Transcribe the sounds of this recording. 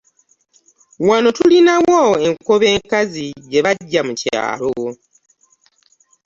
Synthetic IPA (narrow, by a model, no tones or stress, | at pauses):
wano̞tulinawoeŋkoβe̞ːŋkazije̞βaɟːamuca̰ːloo